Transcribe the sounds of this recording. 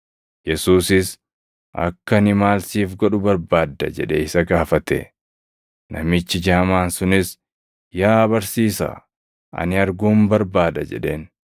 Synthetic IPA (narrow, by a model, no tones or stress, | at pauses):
jɛsuːsɪs | ʔɐ̰kːɐnɪmaːlsiːfɡɔᶑʊbɐɾbaːd̪ːɐ̰d͡ʒɛᶑɛɪsɐɡaːfɐt̪ɛ̰ | nʔɐ̰mɪt͡ʃːɪd͡ʒaːmaːnsʊnɪs | jaːbɐɾsiːsɐ̰ | ʔɐ̰nɪɐɾɡuːmbɐɾbaːd̪ɐd͡ʒɛ̰ᶑe̞ːn